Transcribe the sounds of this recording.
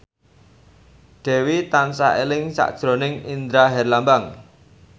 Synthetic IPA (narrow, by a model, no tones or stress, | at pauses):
ɖ̪̥ɛ̤wit̪ansaʔelɪŋsa̰ʔd̥ʒ̥ɾo̤nɪŋind̪ɾaɦɛrlambaŋ